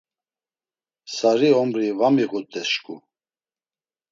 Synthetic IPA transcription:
saɾiɔmɾivamiɣut̪ʼɛsʃkʼu

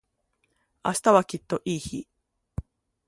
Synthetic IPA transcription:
a̰ɕi̥t̪aβakʲit̪ːo̞ʔiːçi

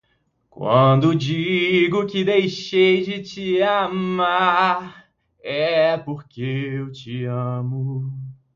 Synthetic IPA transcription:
kwɐ̰̃d̪ʊd͡ʒiɡʊkɪd̪ejʃejd͡ʒɪt͡ʃɪammaɾ | ɛpoɾkeewt͡ʃɪɐ̃mʊ

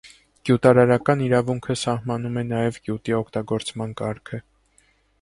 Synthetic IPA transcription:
ɡ̥jut̪ɑɾɑɾɑkɑniɾɑvuŋkʰəsɑhmɑnumɛnɑjɛvɡjut̪iɔkʰt̪ɑɡɔɾt͡smɑnkɑɾkʰə

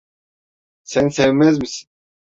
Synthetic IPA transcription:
sɛnsɛvmɛzmisi̥

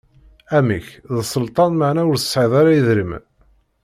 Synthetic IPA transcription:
æmiçðsˤəlt̪ˤɑnmaʕnæʊɾθə̥sːʕiðˤaɾæjəðɾim

